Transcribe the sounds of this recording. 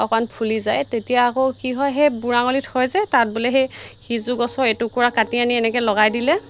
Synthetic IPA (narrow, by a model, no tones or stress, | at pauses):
ɔkɔnpʰulizajtetijaːkokiɦɔjɦejbuɹaŋolitʰhɔjzɛtat̚bulɛɦejxizuɡɔsɔetukɔɹakatianiɛnɛkɛlɔɡajdilɛ